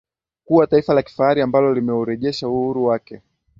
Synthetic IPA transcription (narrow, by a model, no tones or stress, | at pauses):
kuwataifalaki̥faaɾiambalɔlimɛuɾɛʄɛʃauhuɾuwakɛ